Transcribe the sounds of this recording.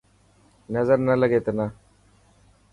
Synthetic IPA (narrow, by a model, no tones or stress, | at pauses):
nəzəɾnələɡeːt̪na